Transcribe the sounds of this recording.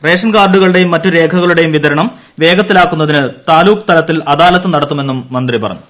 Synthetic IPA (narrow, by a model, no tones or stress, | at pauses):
re̞ːʂɐnɡaːrɖuɣɐɭuɽe̞jumːɐtːuɾe̞ːkʰɐɣɐɭuɽe̞jumʋiðɐɾɐɳɐm | ʋe̞ːɡɐt̪ːilaːkːunːɐðinɨt̪aːluːkt̪ɐlɐt̪ːilɐðaːlɐt̪ːɨnɐɽɐt̪ːume̞nːumːɐnd̪ripɐrɐ̰ɲːu